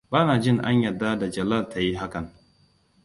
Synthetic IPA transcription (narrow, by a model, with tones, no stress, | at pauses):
baː˦naː˨d͡ʒɪ˦ŋʔa̰˦ɲjɐ˨dːa˦da˨d͡ʒɐ˨lɐ˦˨ltʰa˨ji˦ɦa˦kɐ˨ŋ